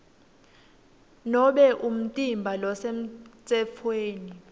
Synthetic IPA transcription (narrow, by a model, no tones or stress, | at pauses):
nɔɓɛʔum̩tʼimbʱalɔsem̩t͡sʼɛfʰweːni